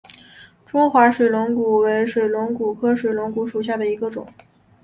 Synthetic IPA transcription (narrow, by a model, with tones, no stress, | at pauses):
ʈ͡ʂʊ˥ŋxwa˧˥ʂwe˨˩lʊ˧˥ŋku˨˩we˧˥ɪʂwe˨˩ɪlwʊ˧˥ŋku˨˩kʰɤ˥ʂwe˨˩ɪlwʊ˧˥ŋku˧˥ʂu˨˩ɕ̬ja˥˩d̪ə˩i˧˥ɡə˧ʈ͡ʂʊ̰˨˩˦ŋ